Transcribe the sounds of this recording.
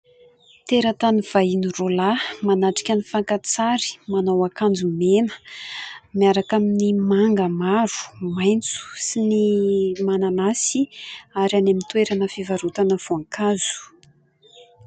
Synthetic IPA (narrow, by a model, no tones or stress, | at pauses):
t̪eɾat̪aniv̥ajinirolamanaʈ͡ʂi̥kʲanifaŋkat͡saɾi̥manawakand͡zumenə̥ | miaɾakaminimaŋɡəmaɾu̥majnt͡su̥sinimananasiaɾanamint̪weɾanəfivaɾut̪anəv̥oaŋkʰazu̥